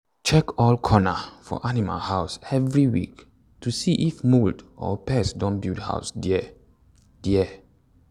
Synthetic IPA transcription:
t͡ʃɛkɔlkʰɔnafɔ̰ʔanima̰lhaʊsɛvɹiwḭk | tusiʔifmuldɔ̰pɛsdɔ̃nbildha̰ʊsdiɛ | d̥iɛ

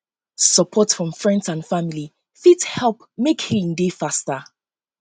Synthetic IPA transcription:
səpʰɔtfɹɔ̃ɱfɹɛ̃ndsãnfamili | fithɛlˠp | mekhĩndefastə

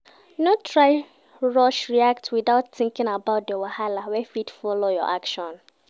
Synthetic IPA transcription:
notʰɹaɪ | ɹɔʃɹiak̚twiðaʊtθĩŋkɪ̃ŋabaʊt̚dewahalawɛfidfɔlojɔ̰ʔakʃɔ̃n

